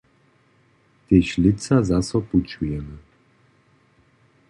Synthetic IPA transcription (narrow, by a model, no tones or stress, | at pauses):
t̪eʃlɪsazasɔput͡ʃujɛmɛ